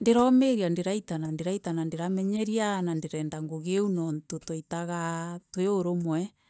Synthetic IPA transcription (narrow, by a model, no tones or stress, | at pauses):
ndeɾɔmeɾiandeɾaitanandeɾaitanandeɾamɛɲɛɾianandeɾɛːndaŋɡoɣeunɔntotoitaɣatweoɾomwɛ